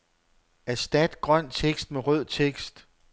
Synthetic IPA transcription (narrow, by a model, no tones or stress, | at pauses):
æsd̥æd̥ɡ̥ʁɶn̰t͡sʰeɡ̥sd̥meʁœð̰ˠt͡sʰeɡ̥sd̥